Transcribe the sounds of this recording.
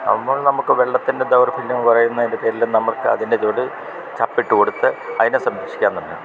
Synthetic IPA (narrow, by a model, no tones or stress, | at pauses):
ɐ̰mːɐɭnɐmukːɨʋeɭːɐt̪ːinded̪ɐwrfʰiljɐmpɐrɐjunːɐðindɨpeːɾilːunɐmːɐɭkːɨɐ̰ðinded͡ʑoːɽɨ | t͡ɕɐpːiʈːɨko̞ɽut̪ːɨɐðinesɐmɾekʂi̥kʲːaːnt̪unːɨ̰